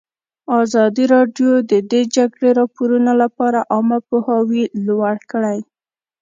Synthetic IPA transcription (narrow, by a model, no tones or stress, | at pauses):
ɑzɑd̪iɾɑɖjod̪əd̪ed͡ʒaɡɽeɾɑpoɾunolapɑɾaʔɑmapohɑwilwaɽkəɽaj